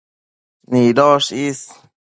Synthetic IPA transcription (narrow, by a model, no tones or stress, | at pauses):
niːd̪ɔːʃiːs